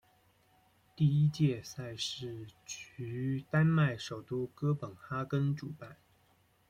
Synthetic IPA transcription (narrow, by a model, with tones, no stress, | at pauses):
t̪i˥˩i˥t͡ɕjɛ˥˧sa˥˧ɪʂɻ̩˥˩t͡ɕʰy˧˥˧t̪a˥nma˥˩ɪʂo˨˩ʊt̪u˥kɤ˥pə˨˩nxa˥kə˥nʈ͡ʂu˨˩pa˥˩n